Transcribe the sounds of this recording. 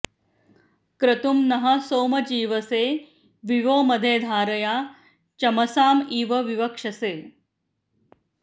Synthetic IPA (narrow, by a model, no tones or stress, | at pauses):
kɾɐt̪umnɐɦɐsoːmɐd͡ʒiːʋɐseː | ʋiʋoːmɐd̪ʱeːd̪ʱaːɾɐjaː | t͡ʃɐmɐsaːmiːʋɐʋiʋɐkʂɐseː